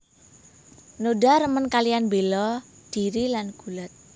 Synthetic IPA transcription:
nodaɾəmənkalijanbelɔd̥i̤ɾilanɡ̥ulat̪̚

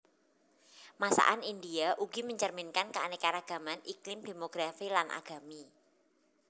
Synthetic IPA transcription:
masa̰ʔanindiaʔuɡ̥iməɲt͡ʃərmɪnkankəanɛkaɾaɡ̥a̤manʔiklɪmd̪̥e̤moɡ̥ɾafilanʔa̰ɡ̥a̤mi

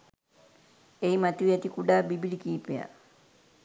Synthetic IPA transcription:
eimat̪uʋiat̪ikuɖaːbibilikiːpea̰

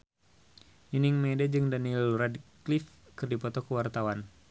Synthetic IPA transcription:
niniŋmedad͡ʒɨŋdanilradklif | kɨrdipɔt̪ɔkəwart̪awan

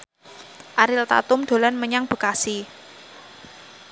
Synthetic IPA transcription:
ʔaɾɪlt̪a̰t̪ʊmd̪̥o̤lanməɲaŋb̥ə̤kasi

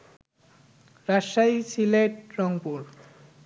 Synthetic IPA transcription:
ɾaʃajt͡ɕʰileʈɾɔŋpuɾ

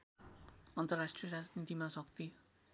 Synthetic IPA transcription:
ʌnt̪ʌrasʈrijʌɾad͡znit̪imasʌk̚t̪i

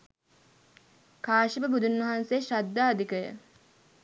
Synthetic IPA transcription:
kaːʃibəbud̪unʋɐɦanseʃad̪ːaːd̪ikəjə̰

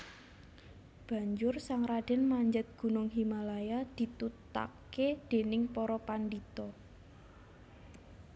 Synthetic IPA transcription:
b̥ä̤ɲd͡ʒʊrsaŋɾad̥ɛnmaɲd͡ʒət̪̚ɡ̥ṳnʊŋɦimalajad̪̥i̤t̪ut̪a̰ked̪̥e̤nɪŋpɔɾɔpandit̪ɔ

